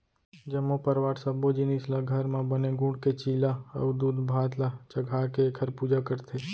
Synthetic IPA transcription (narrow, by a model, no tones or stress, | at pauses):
d͡ʒəmːopəɾʋaɾsəbod͡ʒinislaɡʱəɾmãbəneɡũɳɖket͡ʃilaə̰ʋd̪ud̪bʱad̪lat͡ʃəɡʱakekʰəɾpud͡ʒakəɾt̪ʰe